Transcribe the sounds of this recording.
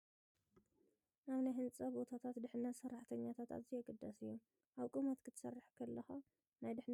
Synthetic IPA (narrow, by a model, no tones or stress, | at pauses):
naβnajɦɨnt͡sʼɐbo̞t̪ʰat̪ʰat̪d̪ɨħnɐt̪sɐrːaħt̪ʰɐɲːat̪ʰat̪a̰βzijɛɡɨd̪ːɐsɨjːu | ʔaβkʼumɐt̪kʰɨt̪ʰɐ̥sɐrːɨħkʰɐlːɐxa | najd̪ɨħn